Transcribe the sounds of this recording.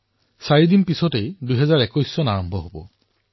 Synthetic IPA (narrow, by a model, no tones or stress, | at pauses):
saɹidinpisɔtejdujɦɛzaɹɛkɔjsːɔnaɹɔmbʱɔɦobɔ̰